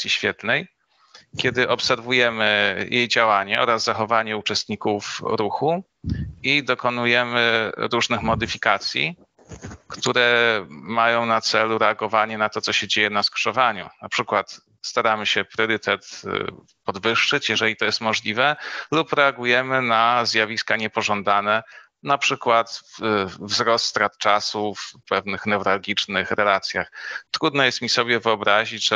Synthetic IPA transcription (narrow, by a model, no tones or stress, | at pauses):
sʲjiɕfʲjɛt̪nɛj | kʲɛd̪ɘʔɔpsɛɾvujɛmɘjʔejd͡ʑawaɲɛɔ̰ɾazzaxɔvaɲɛut͡ʂɛst̪ɲikufɾuxu | id̪ɔkɔnujɛmɘɾuʐnɘxmɔd̪ɘfʲikat̪sʲjḭ | kt̪uɾɛmajɔ̃w̃nat̪sɛluɾɛaɡɔvaɲɛnat̪ɔt̪sɔɕɛd͡ʑejɛnaskʂɔvaɲṵnapʂɘkwat̪ | st̪aɾamɘɕɛpɾʲjɔɾɘt̪ʰɛt̪ | pɔd̪vɘʂːɘt͡ɕjɛʐɛlʲit̪ɔjɛst̪mɔʐlʲivɛlupɾɛaɡujɛmɘnazjavʲiskaɲɛpɔʐɔnd̪anɛ | napʂɘkwat̪vvzɾɔst̪t̪ɾat̪̚t͡ʂasufpɛvnɘxnɛvɾalɡʲit͡ʂnɘxɾɛlat̪sʲjaxt̪ɾud̪nɔjɛst̪mʲisɔbʲjɛvɘɔbɾaʑit͡ɕʐ̥ɛ